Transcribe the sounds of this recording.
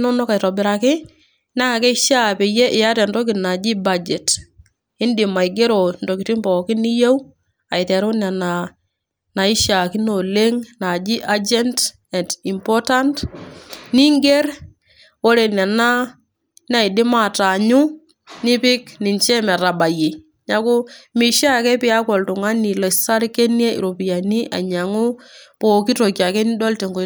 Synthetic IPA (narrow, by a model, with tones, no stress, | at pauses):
nɔ˦nɔ˦ka˨jɾɔ˨bɪ˨ɾa˨kɪ˦ | na˦˨kɛ˦ʃa˦pɛ˨jɛ˦ʔɪ˨ja˦ɾɛ˨ndɔ˦k̬ɪ˨tna˨d͡ʒi˦bad͡ʒɛ˨t | ɪ˦ndɪ˨ma˨i˨ɡe˦ɾo˨ndo˨ki˨tɪ˦mbɔ˨kɪ˦ni˦je˦w | a˨ɪ˨tɛ˨ɾo˦na˨na˨ | na˨ɪ˦ʃa˨kɪ˦no˨le˦ŋna˨d͡ʒi˦ʔa˦d͡ʒɛ˦nt | ɛ˨nti˨mpɔ˦ta˦nt | ni˦ŋɡe˦ɾ | o˦ɾe˨na˨na˦ | na˦˨ɪ˨dɪ˦ma˨ta˨ɲʊ˦ | nɪ˦pɪ˦knɪ˨nt͡ʃɛ˦mɛ˨ɾa˨ba˨je˨ | ɲa˦kʊ˦mi˨ʃa˦˨kɛ˦pɪ˦a˦kɔ˨ltʊ˨ŋa˦ni˨lɔ˨sa˦ɾke˦nje˦ḭ˨ɾo˨pi˨ja˨ni˦ʔa̰˨ɲa˨ŋʊ˦po˨ki˦to˨kja˨kɛ˦n˦dɔ˦lte˨ŋɡo˨